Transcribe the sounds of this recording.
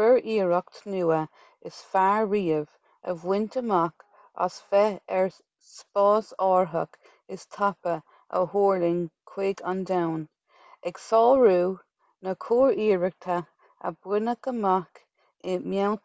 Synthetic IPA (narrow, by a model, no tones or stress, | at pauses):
bɛɹiːɹək̚t̪ʰnuːə | ɪsfaɹɹiːəv | ə̰vwɪnt̪əmak | a̰sfɛɛɹ | spɑːsɑːɹɦək | ɪst̪ʰapə | ə̰hoːɹlɪnkʰwɪɡand̪awn | ɛksɔːlɹuː | nəkʰuːɹiːɹək̚t̪ʰa | ə̰bwɪnəkəmak | ɪmjawt